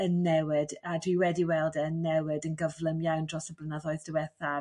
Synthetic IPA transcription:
ənːɛwɪdadwiwɛdiwɛlˠdənːɛwɪdənɡəvlˠəmjawndrɔsəblənaðɔɨðd̥əwɛθa

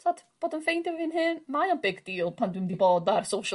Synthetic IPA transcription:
sɔtb̥ɔːdənfejndɪvvɪnɦɨnmajanbɪɡd̥iːlˠpʰandwɪndibɔːdarsoʃ

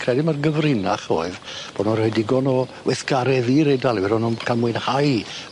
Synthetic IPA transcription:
kʰrɛdɪmarɡəvrɪnaχo̰ːɨðb̥ɔnɔrhɔjdɪɡɔnɔwʔɛθɡ̥aɾɛðiɾɛdalˠvɛɾɔnɔmkʰalˠmwɨnhaj

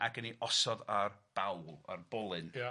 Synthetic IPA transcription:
aɡəniʔɔsɔðarb̥awlˠa̰rb̥ɔlˠɨn

